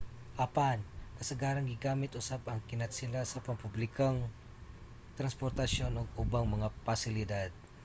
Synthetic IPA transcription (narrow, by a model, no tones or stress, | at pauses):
ʔɐpankɐsɐɡaːɾɐŋɡɪɡaːmɪt̪ʔʊsabɐŋkɪnɐt̪sɪlasɐpɐmpublɪkaŋ | t̪ɾɐnspoɾt̪ɐʃjo̞noɡ̚ʊbaŋmɐŋapɐsɪlɪd̪ad̪̚